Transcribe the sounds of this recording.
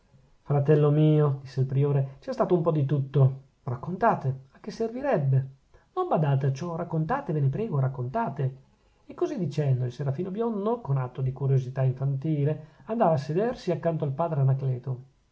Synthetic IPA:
fɾat̪ɛlːomiːod̪isːeilpɾioːɾet͡ʃɛst̪aːt̪oumpɔd̪it̪ut̪ːo | rakːont̪aːt̪eakːesːerviɾɛbːe | nombad̪aːt̪̬eat͡ʃɔrakːont̪aːt̪evenepɾɛːɡoɾakːont̪aːt̪e | ekːozid̪it͡ʃɛnd̪oilseɾafiːnobjonːokonat̪ːod̪ikuɾjozit̪aiɱfant̪iːleand̪aːvaːsːed̪ersiakːant̪oalpaːd̪ɾeanaklɛːt̪o

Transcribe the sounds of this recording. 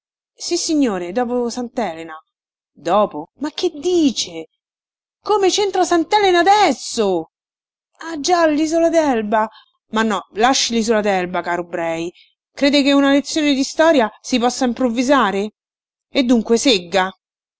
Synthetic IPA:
sisːiɲːoːɾed̪ɔːposant̪ɛːlena | d̪ɔːpomak̟ːed̪ːiːt͡ʃe | komet͡ʃent̪ɾasant̪ɛːlenaːd̪ɛsːo | ad͡ʒːalːis̬ulad̪ɛlba | manːɔlaʃːilis̬ulad̪ɛlbakaːɾobɾɛj | kɾeːd̪ekeunalet̪sːjoːned̪ist̪ɔːɾjasipɔsːaimpɾovːizaːɾe | ed̪ːuŋkweseɡːa

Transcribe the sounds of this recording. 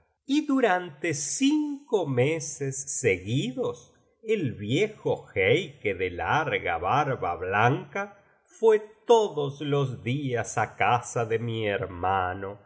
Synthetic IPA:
iðuɾant̪esiŋkomesesːeɣiðos | elβjexoxejkeðelaɾɣa̰βaɾβa̰βlaŋka | fwet̪oðoslozðiasakasaðemieɾmano

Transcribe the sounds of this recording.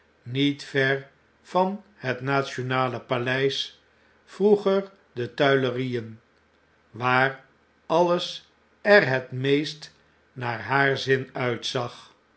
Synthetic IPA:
nitfɛɹ | v̥ɑnhətnaːtʃonaːləpalɛjs | fruχəɹ | dətœɥlərijən | ʋaːɹ | ɑləs | ɛɹɦətmejst | naːɹɦaːɹzɪnœɥtsɑχ

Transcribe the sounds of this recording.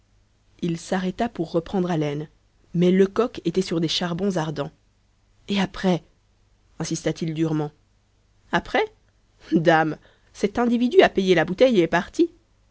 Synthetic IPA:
ilsaʁɛt̪apuʁːəpχɑ̃d̪ʁalɛn | mɛləkɔket̪ɛsyʁd̪eʃaʁbɔ̃zaʁd̪ɑ̃ | eapχɛ | ɛ̃sist̪at̪ild̪yʁmɑ̃ | apχɛ | d̪am | sɛt̪ɛ̃d̪ivid̪yapejelabut̪ɛjɛpaʁt̪i

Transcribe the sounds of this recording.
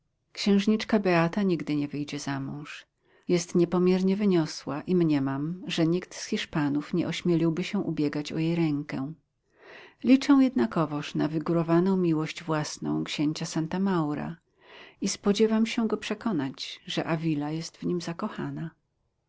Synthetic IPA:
kɕɛ̃w̃ʐɲit͡ʂkabɛat̪aɲiɡd̪ɘɲɛvɘjd͡ʑɛzamɔ̃w̃ʂ | jɛst̪ɲɛpɔmʲjɛɾɲɛvɘɲɔswaʔimɲɛmamʐɛɲikt̪sxʲiʂpanufɲɛʔɔɕmʲjɛlʲiwbɘɕɛ̃ʔṵbʲjɛɡat͡ɕɔ̰jejɾɛŋkɛ | lʲit͡ʂɛ̃w̃jɛd̪nakɔvɔʂnavɘɡuɾɔvanɔ̃w̃mʲiwɔɕd͡ʑvwasnɔ̰̃w̃kɕeɲt͡ɕasant̪amawɾa̰ | ispɔd͡ʑɛvamɕɛɡɔpʂɛkɔnat͡ɕʐ̥ɛʔavʲilajɛst̪vɲimzakɔxa̰na

